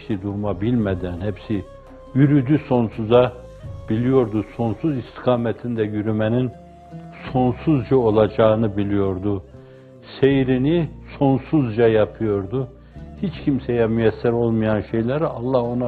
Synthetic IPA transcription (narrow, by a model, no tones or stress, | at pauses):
sid̪uɾmabilʲmɛd̪ænhɛpsi | jyɾyd̪yso̞nsuza | b̥ilʲijo̞ɾd̪uso̞nsuzist̪ʰi̥kʰaːmɛt̪ʰind̪ɛjyɾymɛnin | so̞nsuzd͡ʒao̞lˠad͡ʒaːɯnɯbilʲijo̞ɾd̪u | sejɾiniso̞nsuzd͡ʒajapʰɯjo̞ɾd̪u | hit͡ʃcʰimsejɛmyjɛsːɛɾo̞lˠmɯjanʃe̞jlʲæɾalˠːaho̞na